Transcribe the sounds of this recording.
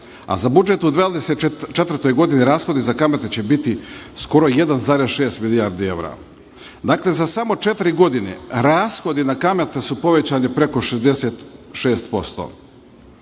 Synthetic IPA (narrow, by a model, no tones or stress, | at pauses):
a̰zabud͡ʒe̞t̪ud̪ʋaːd̪eset̪t͡ʃet̪vr̩t̪o̞jɡo̞d̪iniɾaːsxo̞d̪izakamet̪et͡ɕe̞bit̪isko̞ɾo̞je̞d̪anzaːɾesʃe̞ːst̪milijaɾd̪ie̞wɾa̰ | d̪aːkle̞zasamo̞t͡ʃe̞t̪ɾiɡo̞d̪inḛɾaːsxo̞d̪inakamet̪esupo̞ʋe̞t͡ɕaːɲepɾeko̞ʃezd̪e̞seːt̪ʃe̞ːst̪po̞st̪o̰ː